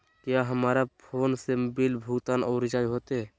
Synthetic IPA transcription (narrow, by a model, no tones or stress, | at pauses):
kjaɦəmaːɾapʰoːnsebilbʱukt̪aːnɔʊɾɪd͡ʒad͡ʒɦot̪e